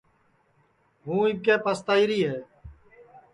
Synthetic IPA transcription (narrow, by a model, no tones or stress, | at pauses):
ɦũːɪkeːpaːst̪aːiːɾiːɦeː